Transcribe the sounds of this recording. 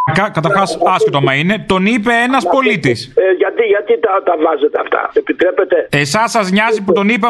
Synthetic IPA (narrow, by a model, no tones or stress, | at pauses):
kɐkɐt̪ɐɾxɐsɐsçot̪omɐine̞t̪o̞nipe̞enɐspo̞lit̪isʝɐt̪iʝɐt̪it̪ɐt̪ɐvɐzet̪eɐft̪ɐ̰epit̪ɾepet̪e̞esɐsɐzɲɐziput̪o̞nipe